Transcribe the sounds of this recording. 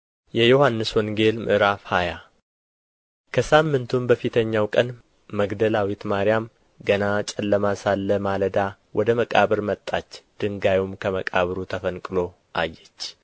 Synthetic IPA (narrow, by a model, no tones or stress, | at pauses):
jɛjohanːɨswɔŋɡe̞lmʔɨ̰ʔɾafhaja | kʰəsamːɨnt̪ʰumbəfit̪ʰəɲːawkʼən | məɡd̪əlawit̪maɾijam | ɡənat͡ʃʼɛlːəmasalːəmaləd̪a | wʔɔd̪əməkʼa̰βɨɾmət̪ʼːat͡ʃːd̪̥ɨŋɡajumkʰəməkʼaβɨɾut̪ʰəfənkʼɨlo̞ | ʔa̰jːɛt͡ʃː